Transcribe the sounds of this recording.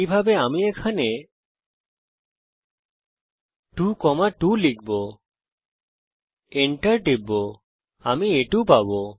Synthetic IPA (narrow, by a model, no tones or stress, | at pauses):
ibʱabeamiekʰane | ʈukɔmaʈulikbo | eɳʈəɾɖibo | amieʈupabo